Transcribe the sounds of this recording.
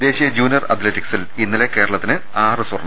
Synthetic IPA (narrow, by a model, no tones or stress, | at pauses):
d̪e̞ːɕijɐd͡ʑjuːnjɐrɐ̰t̪letiksilinːɐle̞kːe̞ːɾɐɭɐt̪ːinɨ | aːrɨsurɐɳ